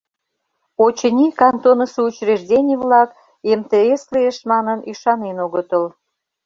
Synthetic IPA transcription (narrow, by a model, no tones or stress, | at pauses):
ot͡ɕə̆nʲikɑnt̪onəsəut͡ɕreʒdʲenʲivlɑk | emt̪eesleeʃmɑnəniʃɑnenoɣət̪əl